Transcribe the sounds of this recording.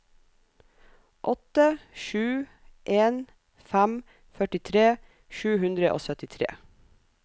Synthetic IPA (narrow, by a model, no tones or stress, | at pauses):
ʔɔt̪əʃʉː | ʔeːn | fæm | fœʈɪt̪ʰɾeː | ʃʉːhʉnd̪ɾəʔo̰ːsœt̪ɪt̪ʰɾḛː